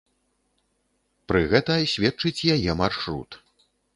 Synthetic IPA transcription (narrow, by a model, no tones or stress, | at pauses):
pɾɨɣɛt̪ɐjsʲvʲɛt͡ʂɨt͡sʲjajɛmarʂɾṵt̪